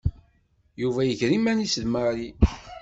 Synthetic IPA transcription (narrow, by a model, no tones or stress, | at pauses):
juvæjəçɾimænisəðmaɾi